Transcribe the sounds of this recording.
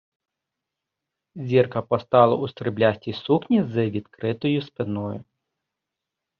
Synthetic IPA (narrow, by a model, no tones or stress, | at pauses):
zʲirkɐpɔst̪ɑlˠɐust̪ɾɪblʲasʲtʲisuknʲizɨʋʲid̪kɾɪt̪ɔjʊspɪnɔjʊ̰